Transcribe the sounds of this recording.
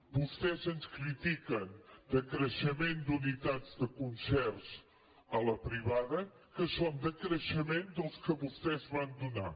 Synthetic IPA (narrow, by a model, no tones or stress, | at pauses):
bust̪ɛzənskɾit̪ikənd̪əkɾəʃəmend̪unit̪ad͡zd̪əkunsɛrs | ələpɾiβaðə | kəsond̪əkɾəʃəmend̪əlˠskəβust̪ɛzβand̪una̰